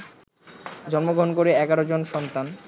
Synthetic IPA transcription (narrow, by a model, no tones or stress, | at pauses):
d͡ʑɔnmoɡʱonkoɾeɛɡaɾod͡ʑonʃɔnt̪an